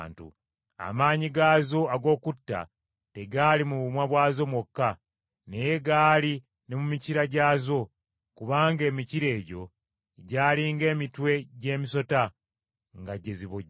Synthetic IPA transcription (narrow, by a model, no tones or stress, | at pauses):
ntṵ | a̰maːɲiɡaːzo̞aɡo̞ːkutːa̰ | te̞ɡaːlimuβumwaβwaːzo̞mwokːa | neje̞ɡaːli | ne̞mumiciɾaɟaːzo̞ | kuβaːŋɡe̞ːmiciɾe̞ːɟo̞ | ɟaːliŋɡe̞ːmitwe̞ɟe̞ːmiso̞ta | ŋɡaɟeziβoɟ